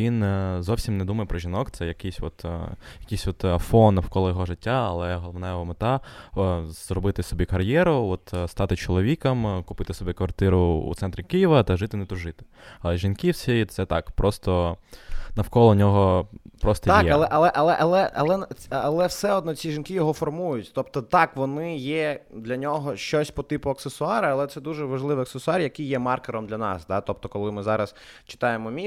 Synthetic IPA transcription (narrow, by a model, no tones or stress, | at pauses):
ʋʲinzɔwsʲimnɛd̪umɐjɛpɾɔʒʲinɔkt̪sɛjɐkɪsʲʋɔt̪jɐkɪjsʲʋɔt̪ɐfɔnːɐwkɔlˠɔjɔɦɔʐɪtʲːaɐlˠɛɦɔlˠɔmnɛjɔɦɔmɪt̪ɑ | z̥ɾɔbɪt̪ɪsɔbʲikɐrjɛɾʊɔt̪st̪ɑt̪ɪt͡ʃɔlˠɔʋʲikɐmkʊpɪt̪ɪsɔbʲikʋɐrt̪ɪɾʊṵt̪ɛnt̪ɾʲikijiʋɐt̪ɐʒɪt̪ɪnɛt̪ʊʒɪt̪ɪ̥ɐlˠɛʒinkʲiwsʲiit̪sɛt̪ɑkpɾʔɔst̪ɔ | nɐwkɔlˠɔnʲɔɦɔpɾɔst̪ɔt̪jɛɐlˠɛʔɐlˠɛʔɐlˠɛʔɐlˠɛɐ̰lˠɛnʲɐlˠɛwsɛɔd̪nɔt͡sʲiʒinkʲɪjɔɦɔfɔrmujʊtʲt̪ɔpt̪ɔt̪ɑkʋɔnɪjɛd̪lʲɐnʲɔɦɔʃt͡ʃɔsʲpɔt̪ɪpʊɐksesʊɑɾɐɐlˠɛt̪sɛd̪uʒɛʋɐʒlˠɪʋɪɐksesʊɑrjɐkijɛmɑrkɪɾɔmd̪lʲɐnɑ̰sd̪ɑt̪ɔp̚t̪ɔkɔlˠɪmɪzɑɾɐs | t͡ʃɪ̥t̪ɑjemɔmʲi